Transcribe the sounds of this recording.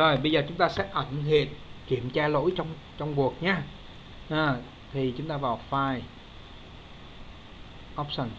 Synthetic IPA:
zo˨˩jɓə˧jzəː˨˩t͡ɕʊ˨˦ŋ͡mt̪aː˧sɛ̰˧˥ʔə˧˩ŋɦḭ˧˨ənki˧˩əmt͡ɕaː˧lo̰˧˥jt͡ɕɔ˧wŋ͡m | t͡ɕɔ˧wŋ͡mvu˨˩ək̚ɲaː˧ | ʔəː˨˩ | t̪ʰi˨˩t͡ɕʊ˨˦ŋ͡mt̪aː˧vaː˨˩wfaː˧j | ʔɔ˦˥p̚sə˧˩n

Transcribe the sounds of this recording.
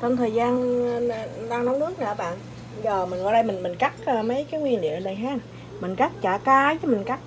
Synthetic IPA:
t͡ɕɔ˧mt̪ʰəː˨˩jzaː˧n˧ | ɗaː˧ŋnɔ˨˦ŋ͡mnɨ˦˥ək̚na̰ː˧˩˨ɓa̰ː˧˨nʔ | zəː˨˩mi˨˩ŋɣɔ̰˧˨jɗə˧jmï˨˩ŋmï˨˩ŋ̟ka˦˥k̚əː˧mə˨˦jkaː˨˦jŋwi˧ənlḭ˧˨ənə˧˨˧ɗə˧jɦaː˦˥˨n | mi˨˩ŋ̟ka˦˥k̚t͡ɕaː˧˩kaː˨˦vəː˨˦mï˨˩ŋ̟ka˦˥k̚

